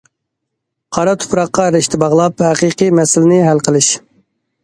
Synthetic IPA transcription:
qʰɑɾɑt̪ʰʊ̥pɾɑqːɑɾɪʃt̪ʰɪbɑʁlˠɑphɛqiqijmɛsɪlɪnɪɦælqʰəlˠɨʃ

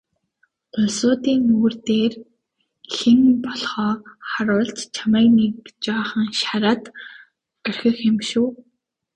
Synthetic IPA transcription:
t̪ʰʊɮsʊːt̪iːŋuːrt̪eːr | xĕnpɔɮχɔːχaɾʊːɮt͡ɕt͡ɕʰamæːknekt͡ɕaːχə̆ŋʃaɾaːt̪ | œrʲxɘ̆xɪmʃuː

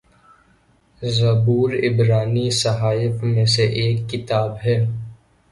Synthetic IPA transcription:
zɐbuːɾɪbɾaːnisɐɦaːɪfmẽseʔeːkːɪt̪aːbɦɛː

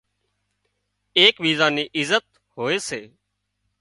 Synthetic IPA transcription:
eːkʋiːzaːniːʔɪzət̪ | hoːeːseː

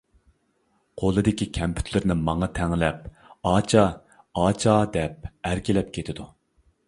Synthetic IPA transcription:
qʰolˠɨd̪ɪkʲikʲʰɛmpʰy̥t̪ʰlɪɾnɪmɑŋɑt̪ʰɛŋlɛp̚ | ɑːt͡ʃʰɑ | ɑːt͡ʃʰɑd̪ɛp̚æɾkʲilɛp̚kʲʰet̪ʰɪd̪u

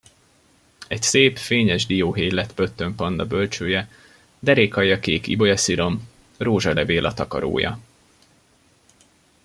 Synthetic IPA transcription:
ɛcseːpfeːɲɛʒd̪ijoːɦeːjlɛt̪pøt̪ːø̞mpɒnd̪ɒbø̞lt͡ʃøːjɛ | d̪ɛɾeːkhɒjːɒkeːkḭbo̞jɒsiɾo̞m | roːʒɒlɛveːlʔɒt̪ɒkɒ̰ɾo̰ːjɒ̰

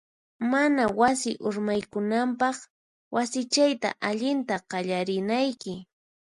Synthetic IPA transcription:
manawasɪʔʊɾmajkʊnampɑχ | wasɪt͡ʃajt̪a̰ʔaʎɪnt̪aqɑʎaɾɪnajkɪ

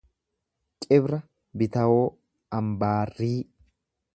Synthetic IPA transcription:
kʼɪbɾɐ | bɪt̪ɐwoː | ɐmbaːrːiː

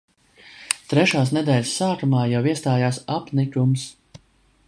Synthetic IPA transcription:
t̪ɾɛʃaːs̬nɛd̪ɛːlʲsːaːk̪umaːjawiɛst̪aːjaːsapnikʲums

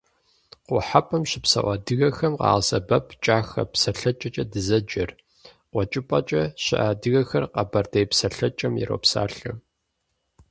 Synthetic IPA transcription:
qʷʊħapʼɐmɕɪpsɐ̰ʔʷɐdɨɣɐxɐmqɑ̰ːʁsɐbɐpʰt͡ʃʼaːxɐ̰psɐɬɐt͡ʃʼɐt͡ʃʼɐdɨzɐd͡ʒɐr | qʷɔt͡ʃʼɪpʼɐ̰t͡ʃʼɐɕɪ̰ʔaːdɨɣɐxɐrqɐbɐrdejpsɐɬɐt͡ʃʼɐmjɪ̰ɾo̰ːpsa̰ːɬɨ

